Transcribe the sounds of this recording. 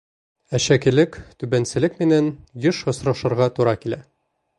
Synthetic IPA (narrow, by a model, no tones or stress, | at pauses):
æɕækĭlɘkt̪ʉbænsɘ̆lɘkmɘ̆nænjɤʃɒ̆sɾɑʃɤ̆ɾʁɑt̪uɾɑkilæ